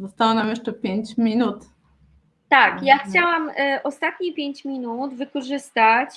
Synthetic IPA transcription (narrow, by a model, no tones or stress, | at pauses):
zɔst̪awɔnamjɛʂt͡ʂɛpʲjeɲt͡ɕmʲinut̪ | t̪akjaxt͡ɕawamʔɔst̪at̪ɲipʲjeɲt͡ɕmʲinud̪vɘkɔʐɘst̪at͡ɕ